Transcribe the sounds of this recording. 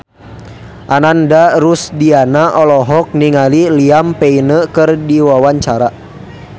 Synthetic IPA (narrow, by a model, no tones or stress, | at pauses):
ʔanandaɾusdianaʔɔlɔɦɔk̚niŋaliliampɛinəkɨrdiwawaɲt͡ʃaɾa